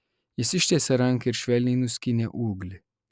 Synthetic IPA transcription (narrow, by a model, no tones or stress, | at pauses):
jɛsiʃt̪ɛsɛɾaŋkiɾʃʋɛlʲinuskinɛʔuːɡl